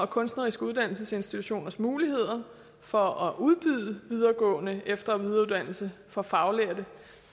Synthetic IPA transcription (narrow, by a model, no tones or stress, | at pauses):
ɒ̽kʰɔ̽nsd̥nɐʁisɡ̥uð̞ˠd̥æn̰l̩səse̝nsd̥it͡sʰuɕo̝̰ːnɐsmuːlihe̝ð̞̰ˠɐ | fɒ̽ɒ̽ʔuð̞ˠb̥yð̰ˠəʋið̞ˠɐɡ̥ɔ̰̽ːnəefd̥ɐʋið̞ˠɐuðˠd̥æn̰l̩səfɒ̽fɑ̈ʊleɐd̥ə